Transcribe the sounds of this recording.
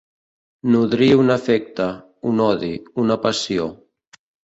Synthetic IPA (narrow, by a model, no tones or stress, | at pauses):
nuðɾiunafɛk̚t̪a | unɔðiunapasio